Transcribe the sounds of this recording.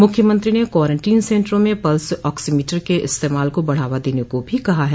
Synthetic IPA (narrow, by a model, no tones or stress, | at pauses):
mʊkʰjəmə̃nt̪ɾinekwɔːɾə̃ɳʈiːnsẽːɳʈɾõmẽpɐlsɔːksimiːʈəɾkeʔɪst̪eːmaːlkobɐɽ̤aːʋad̪eːnekobʱikɐɦaɦɛː